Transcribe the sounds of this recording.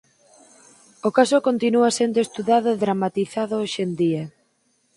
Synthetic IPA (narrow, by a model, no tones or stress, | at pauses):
okasokont̪inuasend̪oest̪uðaðʊeðɾamat̪iθaðʊoʃend̪ia